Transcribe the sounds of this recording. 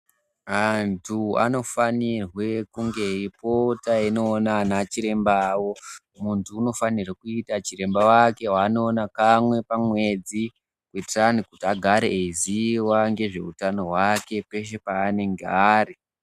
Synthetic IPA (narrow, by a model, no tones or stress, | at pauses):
antʰua̰no̞fanirwe̞kuŋɡe̞ipotaino̞ːnanat͡ʃiɾe̞mbawo̞ | muntʰuːno̞fanirakuitat͡ʃiɾe̞mbawake̞ɦaːno̞ːnakamwe̞pamwe̞d͡zi | kuitiranikutiaɡʱaɾeeziwaŋɡe̞ʐe̞̰utano̞ɦwake̞pe̞ʃ̬e̞paːne̞ŋɡaɾe